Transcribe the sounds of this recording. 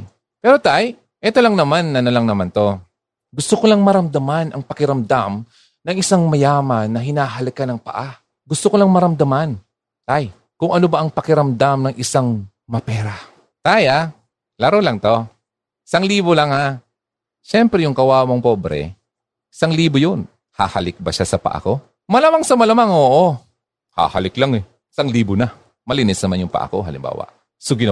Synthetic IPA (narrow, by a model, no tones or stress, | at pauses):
pɛːɾot̪aj | ʔɛt̪o̞laŋnɐmanːɐnɐlaŋnɐmant̪o̞ | ɡʊst̪okolaŋmɐɾɐmd̪amanɐŋpɐkɪɾɐmd̪am | nɐŋɪsaŋmɐjaːmɐnːɐɦɪnaːɦɐlɪkanɐŋpɐ̰ʔa | ɡʊst̪okolaŋmɐɾɐmd̪ɐman | t̪aj | kʊŋɐnobaʔɐŋpɐkɪɾɐmd̪amnɐŋʔɪsaŋ | mɐpɛːɾa | t̪aja | laɾolɐŋt̪o̞ | sɐŋliːbolaŋa | ʃɛmpɾɛjʊŋkɐwaːmoŋpoːbɾɛ̰ | saŋliːbojon | ha̰ha̰lɪk̚bɐʃasɐpɐ̰ʔa̰ko̞ | mɐlamaŋsɐmɐlamaŋoːʔo | ha̰ha̰lɪklaŋɛ | sɐŋliːbona | mɐlɪnɪsnɐmanjʊŋpa̰ʔa̰ko̞̰ɦɐ̰lɪ̰mba̰ːwa̰ʔ | soɡɪn